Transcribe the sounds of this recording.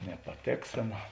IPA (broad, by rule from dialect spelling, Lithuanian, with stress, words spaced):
nʲɛpɐˈtʲeːksʲeːnɐ